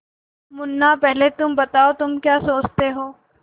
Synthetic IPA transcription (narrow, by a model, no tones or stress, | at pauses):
mʊnːapɛɦlet̪ʊmbɐt̪aːot̪ʊmkjaːsoːt͡ʃt̪eɦoː